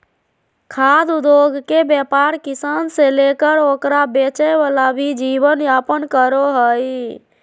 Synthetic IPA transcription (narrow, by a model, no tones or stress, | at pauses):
kʰad̪ud̪oɡkebjapaɾkisanselekəɾokɾabet͡ʃəjʋalabʱid͡ʒibənjapənkəɾoɦəj